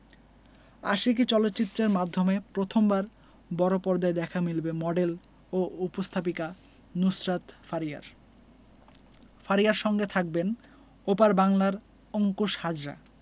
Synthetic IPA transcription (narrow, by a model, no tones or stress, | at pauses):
a̰ʃik̬it͡ɕɔlot̪ːt͡ɕit̪ːɾeɾmad̪ʱːomepɾot̪ʰombaɾ | bɔɾopɔɾd̪aed̪ɛkʰamilbemɔɖel | oupost̪ʰap̬ika | nusɾat̪faɾija̰ɾ | faɾiaɾʃɔŋɡet̪ʰak̚ben | opaɾbaŋlaɾ | ɔŋkuʃhad͡ʑɾa̰